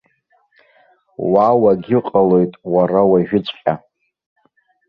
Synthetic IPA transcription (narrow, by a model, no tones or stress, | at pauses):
wawaɡʲɪqʼalo̞jtʼwarawaʒᶣɪt͡ɕʷʼqʲʼa